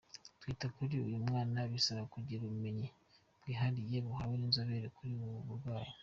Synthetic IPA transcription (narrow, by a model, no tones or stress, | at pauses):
twiːtakuɾiṵjumŋaːnaβisaβakuɟiɾuβume̞ɲi | bwiːɦaɾije̞βuhaweninzoβeɾekuɾiβuβuɾɡwaːjo